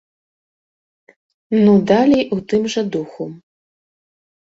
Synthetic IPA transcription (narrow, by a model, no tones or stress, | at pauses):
nud̪alʲijut̪ɨmʐɐd̪uxu